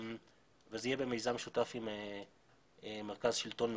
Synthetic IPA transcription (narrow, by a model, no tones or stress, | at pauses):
vezeijebemejzamʃutafime | meʁkazʃilto̞nm